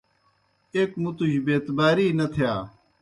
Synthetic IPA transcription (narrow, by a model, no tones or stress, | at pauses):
eːkmut̪uɕbeːt̪baːɾiːnɐt̪ʰɪjaː